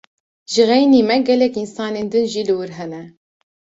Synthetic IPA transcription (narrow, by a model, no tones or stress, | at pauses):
ʒɨɣɛjniːmɛɡɛlɛkinsɑːneːnd̪ɨnʒiːlɨwɨɾɦɛnɛ